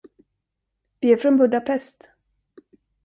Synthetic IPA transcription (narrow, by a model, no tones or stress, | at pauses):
vɪæɾfɾɔnbɵd̪apʰɛst̪